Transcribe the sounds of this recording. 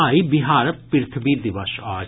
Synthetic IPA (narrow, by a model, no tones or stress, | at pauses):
aːibɪɦaːɾpɪɾt̪ʰbid̪ɪʋəʃaː